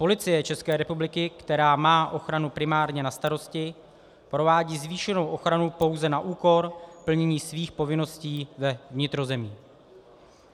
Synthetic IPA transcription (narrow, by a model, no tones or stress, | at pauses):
po̞lɪt͡sɪjɛt͡ʃɛskɛːɾɛpublɪkɪkt̪ɛɾaːmaːʔo̞xɾanupɾɪmaːɾɲɛnast̪aɾo̞scɪ | pɾo̞vaːɟiːzviːʃɛno̞wʔo̞xɾanupo̞wzɛnaʔuːko̞ɾpl̩ɲɛɲiːsviːxpo̞vɪno̞sciːvɛvɲɪt̪ɾo̞zɛmiː